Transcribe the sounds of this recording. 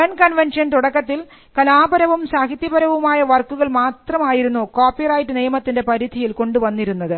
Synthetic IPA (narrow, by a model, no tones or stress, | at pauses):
ɐnkɐnʋenʂɐnt̪uɽɐkːɐt̪ːil | kɐlaːbɐɾɐʋumsaːɦit̪jɐbɐɾɐʋumaːjɐʋɐrkːuɣɐɭmaːt̪rɐmaːjiɾunːukoːpːirɐjʈːɨnijɐmɐt̪ːinde̞pɐɾid̪ʱijilko̞ɳɖuʋɐnːiɾunːɐðɨ